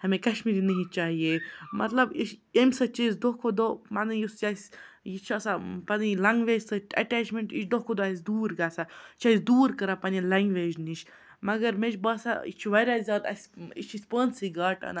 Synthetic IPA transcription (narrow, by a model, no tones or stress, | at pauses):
hɐmẽkɐʃmiɾinɐɦĩt͡ʃaːɦijemɐ̰t̪lɐbiʃemʲsɐt͡ʃisd̪oɦkʰod̪omanjust͡ʃasʲjit͡ʃʰuɐsapɐnilɐŋɡʋeːd͡ʒsɐɐ̰ʈeːt͡ʃmẽɳʈḭt͡ʃʰd̪okod̪os̬ʲd̪uːɾɡaːsat͡ʃaisd̪uːɾkɐɾapɐnilɐŋɡʋeːd͡ʒnit͡ʃʰ | mɐɡɐɾmet͡ʃbɐːsa̰ḭt͡ʃʰuʋɐjɾʲaːzzʲaːd̪ɐ̰sʲḭt͡ʃʰisʲpəːnsiɡaːʈɐ̰na